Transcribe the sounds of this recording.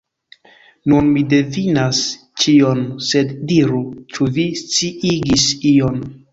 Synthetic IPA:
nunmide̞vinas | t͡ʃionse̞ddiɾut͡ʃuvist͡siʔiɡision

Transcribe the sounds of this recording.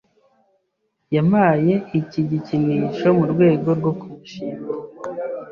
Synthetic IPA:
jamaːje̞iciɟiciniːʃo̞muɾɡwe̞ːɡo̞ɾɡo̞kuβiʃiːm

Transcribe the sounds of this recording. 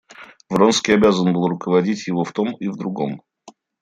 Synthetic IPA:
vɾonskʲɪjɐbʲazənbɨlˠrʊkəvɐdʲitʲjɪvo̞ft̪omivd̪ɾʊɡo̞m

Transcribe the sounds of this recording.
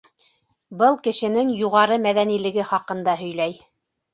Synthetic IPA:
bɤlˠkɘ̆ʃɘ̆nɘŋjuʁɑɾɤmæðænilɘ̆ɡɘχɑqɤ̆nd̪ɑɦɵ̆jlæj

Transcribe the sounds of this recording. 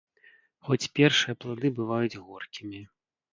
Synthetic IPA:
xɔt͡sʲpʲɛrʂɨjɐplˠad̪ɨbɨvajud͡zʲɣɔrkʲimʲi

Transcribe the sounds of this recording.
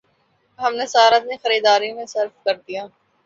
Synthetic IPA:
ɦɐmnesɐaːɾət̪nẽxɐɾiːd̪aːɾijõmẽsɐɾfkɐɾd̪ijaː

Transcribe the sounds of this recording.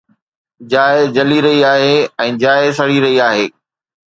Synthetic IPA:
d͡ʑaːɪd͡ʑɐliɾɐɦiaːɦeːɛ̃ːd͡ʑaːɪs̬ɐɽ̤iɾɐɦiaːɦeː

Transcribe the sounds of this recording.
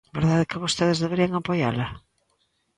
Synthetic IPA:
beɾðaðekɪβost̪eðezðeβeɾiaŋapoja̰la

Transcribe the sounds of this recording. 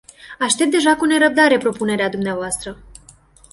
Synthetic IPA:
aʃt̪e̞p̚t̪d̪e̞ʒakune̞ɾəb̚d̪aɾe̞pɾo̞pune̞ɾead̪umneavoast̪ɾə

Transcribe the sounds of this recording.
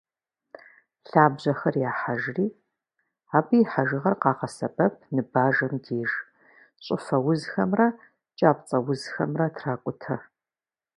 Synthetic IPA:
ɬaːbʑɐxɐrjaːħaʒriː | aːbɨiħaʒɪʁɐrqɑːqɐsɐpʼɐp̚ʰnɨbaːʒɐmdʰeːʒ | ɕʼɪfɐwʊzxɐmrɐ | t͡ʃʼaːpt͡sʼɐwʊzxɐ̰mrɐtʰraːkʷʼʊtʰɐ

